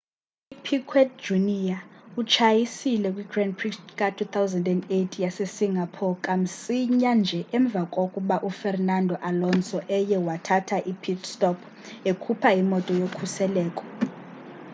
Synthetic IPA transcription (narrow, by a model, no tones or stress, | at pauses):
ipʰikʰwɛtd͡ʒunijaut͡ʃʰajisilɛkʼwiɡrɛndpʰristkʼatʰut̪ʰawzandɛndetʰijasesiŋʱapʰɔkʼam̩siɲand͡ʒʱɛʔɛɱb̪vʱakʼokʼuɓaʔufɛrnandʱɔʔalɔnsɔʔɛjɛwatʰatʰaʔipʰitstʼɔpʰ | ekʰupʰaimɔtʼɔjokʰusɛlɛːkʼɔ̥